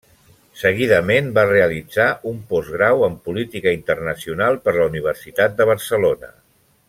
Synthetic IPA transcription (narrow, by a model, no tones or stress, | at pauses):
səɣ̞iðəmenbareəlid͡zaʔumpɔzɣɾawəmpulit̪ikəint̪ərnəsiunalˠpəɾləuniβ̞əɾsit̪at̪̚d̪əβ̞əɾsəlonə̰